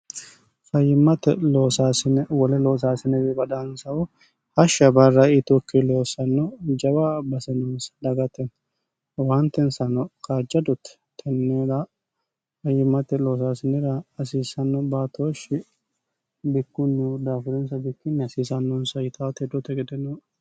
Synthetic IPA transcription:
fɐjɪmːɐt̪ɛloːsaːsɪnɛwɔlɛloːs̬aːsɪnɛbɛbɐd̪ansɐwɔ | hɐʃɐbɐrːɐɪt̪ʊkːɪloːsɐnːɔd͡ʒɐbabɐsɛnɔnsɐ̥d̪ɐɡɐt̪ːɛn | want̪ɛnsɐnɔkad͡ʒɐd̪ɔt̪ːɛ̥ | t̪ʰːɛnːɛɾɐ | fɐjːɪmːɐt̪ːɛloːs̬aːsɪnːɛɾɐɐsiːsɐnːɔbat̪oːʃɪ | bɪkːʊnːɛd̪aːfʊd̪ɛnsɐbɪkːɪnːɛɐsiːsɐnːɔnsɐjɪt̪ʰɐt̪ɛd̪ɔt̪ːɛɡɛd̪ɛnːɔ

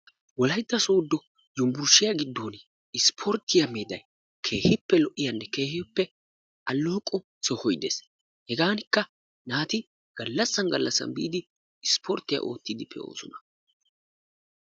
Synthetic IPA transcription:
wɔlɐjt̪ːɐsoːd̪ːɔ | jʊmbʊɾʃɪjɐɡɪd̪ːoːn | ɪspʰɔɾt̪ːɪjɐmeːd̪ɐj | kʰe̞ːhɪpːɛlɔʔːɪjɐnːɛke̞ːhɪpːɛ | ʔɐlːɔːkʼːɔ | sɔhɔjd̪eːs | hɛɡaːnɪkːɐ | naːt̪ɪ | ɡ̥ɐlːɐsːɐnɡɐlːɐsːɐ̰nbḭːd̪ɪ | ɪspʰɔɾt̪ːɪja̰ʔo̞̰ːt̪ːɪd̪ɪpʰːɛ̰o̰ːsɔnɐ

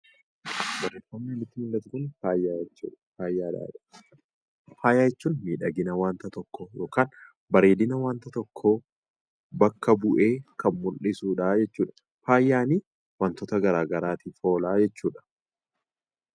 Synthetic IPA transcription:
bɐɾeːfɐmnelɪt̪ːɪmɪlːɐt̪ʊkʊnfaːjat͡ʃːṵːfaːjːaːd̪a̰ːᶑɐ | faːjaːjɛt͡ʃːuːnmiːᶑɐɡɪnɐwaːnt̪ɐt̪ɔkːojo̞ːkaːn | bɐɾeːd̪ɪnɐwaːnt̪ɐt̪ɔkʰːoː | bɐkːɐbʊʔe̞ːkɐnmʊlʔɪsuːᶑaːd͡ʒɛt͡ʃːuːᶑɐ̥ | faːjːaːniː | wɐnt̪ɔt̪ɐɡɐɾaːɡɐɾaːt̪ifo̞ːlaːd͡ʒɛt͡ʃːuːᶑɐ̥

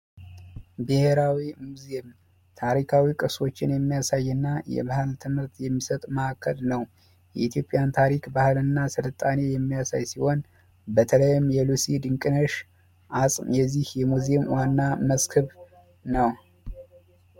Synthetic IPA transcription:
bɨheɾawimuzem | t̪ʰaɾikʰawikʼɨso̞t͡ʃːɪnjɛmːijasajːɨnːajɛ̰βahɨlt̪ʰɨmɨɾt̪jɛmːisət̪ʼməakːəlnəw | jɛ̰it̪ʰjo̞pʼjant̪ʰaɾikbahɨlɨnːasɨlət̪ʼːanejɛmːijasajsiho̞n | bət̪ʰələjɪmjɛlusid̪ɨŋkʼɨnəʃ | ʔasʼmjɛzːihjɛmuzemwanːaməskʰɨβ | nəw

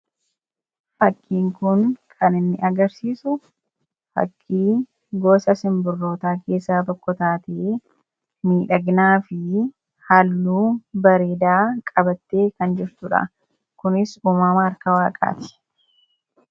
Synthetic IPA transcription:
fɐkʰːiːŋkʊnkʰɐnɪnːɪʔɐɡɐɾsiːsʊ | fɐ̰kʰːiː | ɡo̞ːsɐsɪmbʊrːo̞ːt̪aːke̞ːsːaːbɔkːɔt̪aːt̪eː | miːᶑɐɡnaːfɪ | halːuːbɐɾeːd̪aːkʼɐbɐt̪ːeːkɐnd͡ʒɪɾt̪ʊᶑɐ̰ | kʊnɪsuːmaːmaːɾkɐwaːkʼa̰ːt̪ɪ̥

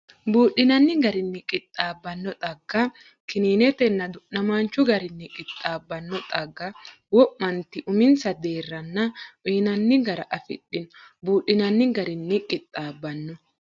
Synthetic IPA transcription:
buːɗɪnɐnːɪɡɐɾɪnːɪkʼɪt̪ʼːaːbːɐnːɔt̪ʼɐɡːɐ | kɪniːnɛt̪ɛnːɐd̪ʊʔnɐmaːnt͡ʃːʊɡɐɾɪnːɪkʼɪt̪ʼːaːbːɐnːɔt̪ʼɐɡːɐ | wɔʔmɐnt̪ɪʔʊmɪnsɐd̪eːrːɐnːɐʔiːnɐnːɪɡɐɾɐʔɐfɪ̰ɗːɪnbuːɗɪnɐnːɪɡɐɾɪnːɪkʼɪt̪ʼːaːbːɐnːɔ

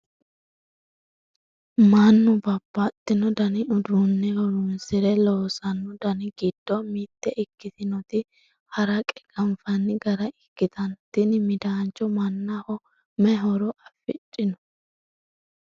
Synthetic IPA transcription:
manːʊbɐbːat̪ʼːɪnɔd̪ɐnɪʊd̪ɾʊnːɛhɔɾʊnsɪɾɛloːsɐnːʊd̪ɐnɪɡɪd̪̥ːɔmit̪ːɛʔɪkːɪt̪ɪnɔt̪ɪ | hɐɾɐkʼɛ̥ɡ̥ɐmfɐnːɪɡɐɾɐɪkːɪt̪ʰɐnt̪ːɪnmɪd̪aːnt͡ʃːɔmɐnːɐhɔ | mɛɦɔɾɔʔɐfɪ̰t͡ʃʼːɪnɔ

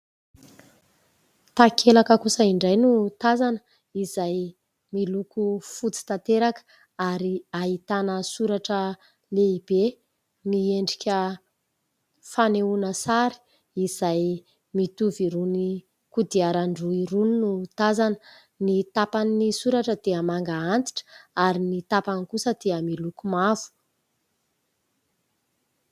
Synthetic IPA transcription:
t̪akʰelakəkusəiɳɖ͡ʐajnut̪azanə | izaj | milukufut͡si̥t̪at̪eɾakə̥ | aɾiaɦit̪anəsuɾaʈ͡ʂə | leib̥e | mieɳɖ͡ʐikʲə | faneunəsaɾi̥ | iz̥aj | mit̪uviɾuni | kud̪iaɾaɳɖ͡ʐuiɾuninut̪azan | nit̪apaninisuɾaʈ͡ʂəd̪eəmaŋɡaant̪i̥ʈ͡ʂaɾinit̪apanikusəd̪̥eəmilukumav̥u̥

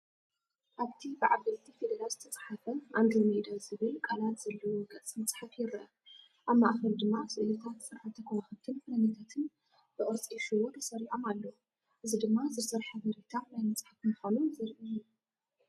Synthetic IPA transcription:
ʔaβt̪ʰibɨʕaβɐlt̪ʰifed̪ɐɾalzɨt̪ʰɐt͡sʼḁħafɐʔand̪lomed̪azɨβɨlkʼalat̪z̥ɐlːɐwoɡɐt͡sʼmɐt͡sʼħafjɪɾʔɐ | ʔaβmaʔxɐld̪ɨmːasɨʔlɐt̪ʰat̪sɨɾħat̪ʰɐkʰɐwaxɨt̪ʰɨnfunɐnɐt̪ʰat̪ʰɨn | b̥ɨʔʼɨɾt͡sʼiʃɨwo̞t̪ʰɐsɐɾiħomalːou | ʔɨzid̪ɨmːazɨsɐɾħaβɐɾet̪ʰanajmɐt͡sʼħafmɨxonuzɨɾʔɨju

